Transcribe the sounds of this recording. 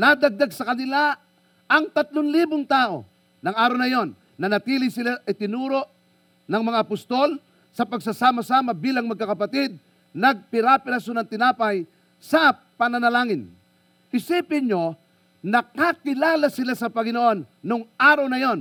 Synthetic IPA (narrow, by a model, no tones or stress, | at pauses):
nad̪aɡ̚d̪aɡsɐkɐnɪla | ɐŋt̪ɐt̪loŋliːbʊŋt̪aːʔo̞̰ | nɐŋaːɾɐwnɐjo̞nːɐnɐt̪iːlɪjsɪlaʔɐjt̪ɪnuːɾo̞ʔ | nɐŋmɐŋaʔːpʊst̪o̞l | sɐpɐɡsasaːmasaːmɐbiːlaŋmɐɡkakɐpɐt̪ɪd̪̚ | nɐɡ̚pɪɾapɪɾasonɐŋt̪ɪnaːpaj | sɐ | pɐnɐnɐlaːŋɪn | ʔɪsiːpɪɲo | nɐkakɪlaːlasɪlasɐpɐŋɪnoʔo̞nːoŋʔaːɾɐwnɐjo̞n